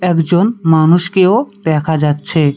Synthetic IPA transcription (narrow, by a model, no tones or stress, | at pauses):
ɛkd͡ʑonmanuʃkeod̪̥ɛkʰad͡ʑatːɕʰe